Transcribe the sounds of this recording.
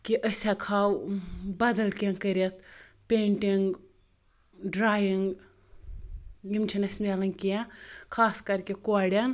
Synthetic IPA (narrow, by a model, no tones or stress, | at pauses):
kʲiʔəsʲakʰaːwbɐd̪ɐlkʲeŋkəɾʲet̪̚ʰpʲeːɳʈiŋɡ | ɖɾaːjiŋɡ | jimt͡ʃʰinɐsʲmʲelɐŋkikʰaːskɐɾkʲikoɽʲɐn